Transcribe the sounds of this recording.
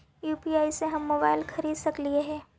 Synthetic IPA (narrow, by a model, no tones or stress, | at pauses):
juːpiaːiseɦɐmːoːbaːɪlkʰɐɾiːd̪sɐklieɦɛ̃ː